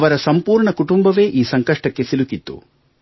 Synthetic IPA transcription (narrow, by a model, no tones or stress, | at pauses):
ʋɐɾɐsɐmpuːɾɳɐkuʈumbɐʋe̞ːʔiːsɐŋkɐʂʈɐkːe̞silukit̪ːṵ